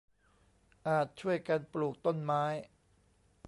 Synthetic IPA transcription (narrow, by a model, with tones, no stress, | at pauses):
ʔaː˨˩t̪̚t͡ɕʰu˥˩əjka˧npluː˨˩k̚t̪o˥˩nmaː˦˥j